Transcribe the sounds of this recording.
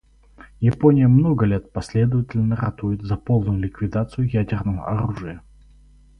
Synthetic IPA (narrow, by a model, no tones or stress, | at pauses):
jɪponʲɪjəmnoɡəlʲe̞t̪̚pɐsʲlʲe̞d̪əvətʲɪlʲnəɾɐt̪ujɪt̪zɐpo̞lˠnʊjʊlʲɪkvʲɪd̪at̪sɨjʊjædʲɪrnəvə̰ʔɐɾuʐɨjə